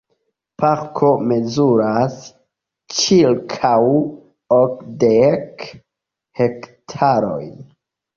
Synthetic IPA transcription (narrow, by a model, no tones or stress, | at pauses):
paɾkʰo̞me̞zuɾas | t͡ʃilkʰaw | okdek | he̞ktʰaɾo̞̰jn